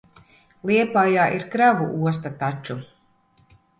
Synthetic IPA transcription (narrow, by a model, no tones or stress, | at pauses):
lˠiɛpajaːʔiɾkɾavṵʔuɔs̬t̪at̪at͡ʃu